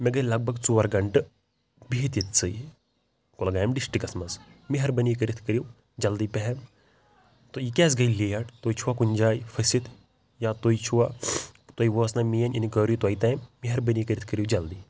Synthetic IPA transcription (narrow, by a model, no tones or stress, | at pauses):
mɛɡɐilɐɡ̚bʱɐɡt͡suʋɐɾɡɐɳʈɨ | biɦit̪jit̪t͡sɨj | kolɡaːjɐmɖisʈikɐsmɐsmiɦɐɾbɐnik̬əɾit̪ʰkəɾiw | d͡ʒɐld̪iːpɛɦɛm | t̪oikɛːs̬ɡɐjliːjɐʈt̪oit͡ʃʰuwakunʲd͡ʒaːjifʰɐsit̪ʰ | jat̪oit͡ʃʰuwat̪woiʋəːsnɐmijɐninikəɾut̪wɐit̪ɐːjmːiɦɐɾbənikəɾit̪ʰkəɾiwd͡ʒɐld̪i